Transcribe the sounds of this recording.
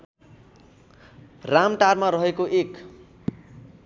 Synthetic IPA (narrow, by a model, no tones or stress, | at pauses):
ramʈarmaɾʌɦekoʔek